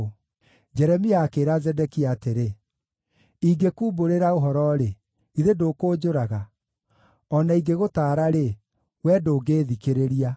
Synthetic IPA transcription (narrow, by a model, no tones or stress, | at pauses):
d͡ʒɛɾɛmiaːkeɾazɛdɛkiateɾe | iɡekuːboɾeɾaoɦɔɾɔɾe | iɾedoːkoːd͡ʑoɾaɣa | ɔnaiɡeɣotaːɾaɾe | wɛdoːɡeːðikeɾeɾia